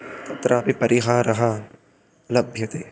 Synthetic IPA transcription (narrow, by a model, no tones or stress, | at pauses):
t̪ɐt̪ɾʔabipɐɾʔiːɦaːɾɐɦaː | lɐbʱjɐt̪eː